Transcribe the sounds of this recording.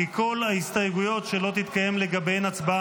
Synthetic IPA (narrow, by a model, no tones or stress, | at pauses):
iko̞lhaist̪ajeɡujo̞tʃe̞lo̞t̪it̪kaje̞mle̞ɡabe̞jnat͡sba